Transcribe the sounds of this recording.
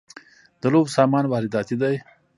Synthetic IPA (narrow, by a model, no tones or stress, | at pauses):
d̪əlobsɑːmɑːnwɑːɾɪd̪ɑːt̪id̪aj